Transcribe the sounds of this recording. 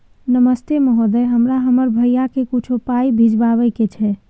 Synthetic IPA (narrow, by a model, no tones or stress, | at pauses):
nəməst̪emeɦod̪ɛjɦəmɾaɦəməɾbʱəijakekut͡ʃʰopaibʱid͡ʒbaβəjket͡ʃʰɛ